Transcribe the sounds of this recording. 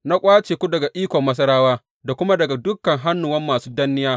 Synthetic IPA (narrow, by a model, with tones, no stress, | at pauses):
na˦kʷʼaː˦t͡ʃeː˨kʷu˦dɐ˨ɡa˨ʔiː˦kʷɔ˨mːɐ˦s̬ɐ˦ɾaː˦waː˦ | da˨kʷʊ˦ma˦dɐ˨ɡa˨dʊ˦kːɐ˨ŋɦa˦nːʊ˨wɐ˦mːaː˨suː˦dɐ˦nːɪ˦jaː˦